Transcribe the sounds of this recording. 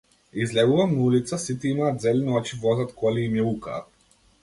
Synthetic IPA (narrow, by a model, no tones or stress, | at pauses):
izlɛɡuvamnaulit̪sasit̪iimaːt̪zɛlniɔt͡ʃivɔzat̪kʰɔliimjɛuka̰ːt̪